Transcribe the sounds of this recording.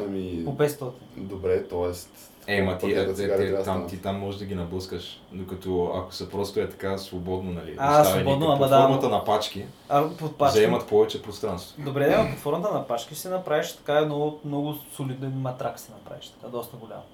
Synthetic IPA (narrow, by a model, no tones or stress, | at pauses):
ɐmipopɛt̪st̪ɔt̪ind̪obɾɛt̪ɔɛst̪ | ɛmɐt̪iɐt̪ɛɛt̪amt̪it̪amːɔʒɛd̪ɐɡʲinɐbˠəskəʃd̪okɐt̪ɔɐ̰ko̥sɛpɾɔst̪oɛt̪ɐ̥kasvobɔd̪nonɐlḭassavɛonbd̪noapd̪aɔɾmɐt̪ənɐpat͡ʃk̟i | ɐpot̪̚pazɐɛmɐt̪pɔvɛt͡ʃɛpɾost̪ɾanst̪vod̪obɾɛd̪ɛɐpot̪fɔɾmət̪ənɐpat͡ʃkiʃsɛnɐpɾaviʃt̪ɐ̥kaɛnoʊt̪mnɔɡʊsolid̪ɛnmɐt̪ɾaksɛnɐpɾa̰viʃt̪ɐ̥kad̪ɔst̪əɡolʲa̰m